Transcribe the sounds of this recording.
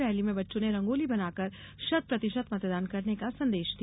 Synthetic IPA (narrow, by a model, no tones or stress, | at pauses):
ɾɛɦlimẽbɐtːʃõneɾɐ̃ŋɡoːlibɐnaːkɐɾ | ʃɐt̪̚pɾɐt̪ɪʃət̪mɐt̪d̪aːnkɐɾnekasɐ̃nd̪eːʃd̪i